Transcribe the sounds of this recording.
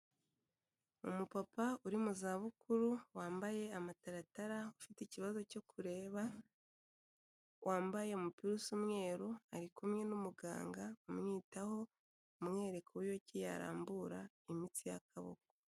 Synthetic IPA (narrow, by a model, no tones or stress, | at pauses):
umupapauɾimuzaːβukuɾuwaːmbaje̞amataɾataɾaufiteiciβazo̞co̞kʰuɾe̞ːβa | wʔaːmbaje̞umupiɾusumŋe̞ːɾuaɾikumŋe̞numuɡa̰ːŋɡaumŋiːtaho̞ | umŋe̞ːɾe̞kʰoβijo̞cija̰ɾa̰ːmbuɾa | imit͡sijakʰaβo̰ko